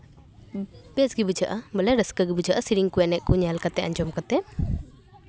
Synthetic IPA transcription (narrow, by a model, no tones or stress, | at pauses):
bɛsɡibud͡ʒaʔabəlɛɾəskaɡibud͡ʒaʔasiɾiŋkuɛnɛʔ̚kuɲalkat̪ɛaɲd͡ʒɔmkat̪ɛ